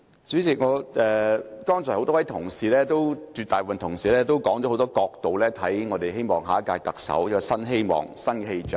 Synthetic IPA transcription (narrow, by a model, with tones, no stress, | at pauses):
t͡syː˨˥t͡sɪ˨˩k̚ŋɔː˨˧ɛː˨kɔː˥ŋt͡sʰɔː˨˩hwt̪ɔ˥wɐ˨˦jt̪ʰʊ˨˩ŋsiː˨˩lɛː˥t̪o˥wt͡ʃyː˧t̪aː˨jpːfɐ˨nt̪ʰʊ˨˩ŋsiː˨lɛː˥t̪o˥wkɔː˨˥ŋtɔː˨˧˥o˨˧wt̪ɔː˥kɔː˧k̚t̪o˨wlɛː˥t̪ʰɐ˨˥jŋɔː˨˧t̪e˨jhe˥jmɔː˨˩ŋɦa̰ː˨˥kaː˧jt̪ɐ˨k̚sɐ̰˨˥wjɐ˥kːɔ˨sɐ˥nɦe˥jmɔ̰ː˨˩ŋsɐ˥nkɛ˧ɦe˧jt͡ʃœː˨